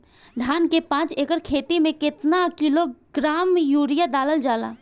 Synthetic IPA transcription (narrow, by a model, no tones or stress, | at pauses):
ɖ̪ʱaːnkepãːt͡ʃeːkəɾkʰeːt̪imẽkɪt̪nakiloɡɾaːmjuːɾijad̪aːləld͡ʒaːla̰ː